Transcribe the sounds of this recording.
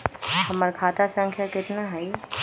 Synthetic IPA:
həməɾkʰaːt̪asə̃ŋkʰjakɪt̪naɦɛi

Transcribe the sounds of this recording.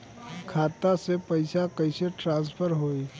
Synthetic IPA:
kʰaːt̪asepɐɪsakɐɪseʈɾãːnspʰəɾɦoːi

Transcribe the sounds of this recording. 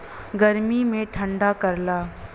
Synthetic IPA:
ɡɐɾmimẽʈʰə̃ɳɖakɐɾlaː

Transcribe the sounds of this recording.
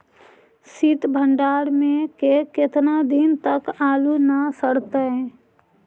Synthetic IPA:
sɪt̪bʱə̃ɳɖaːɾmẽkekɪt̪nad̪ɪnt̪əkaːlunasəɽt̪eɦɛ̃ː

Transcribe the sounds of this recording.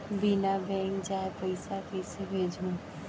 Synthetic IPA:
binabɛ̃ːŋkd͡ʒaːepəɪsakəɪsebʱeːd͡ʒʱũː

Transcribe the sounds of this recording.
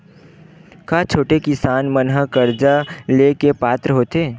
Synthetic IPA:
kaːt͡ʃʰoːʈekɪsaːnmənɦəkəɾd͡ʒaleːkepaːt̪ɾəɦoːt̪eː

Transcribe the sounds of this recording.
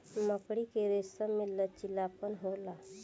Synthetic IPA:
məkɽikeɾesəmɪlːət͡ʃilːaːpənɦola

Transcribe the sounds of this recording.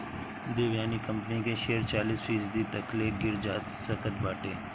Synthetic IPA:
d̪eːʋjaːnikə̃mpnikeʃeːəɾt͡ʃaːliːsfiːsd̪it̪ɐkleːɡɪɾd͡ʒaːt̪səkət̪baːʈeː

